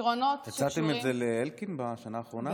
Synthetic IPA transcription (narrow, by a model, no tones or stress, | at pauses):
ʁonot̪jat͡sat̪emet̪zeleelkinbaʃanaːχʁo̞na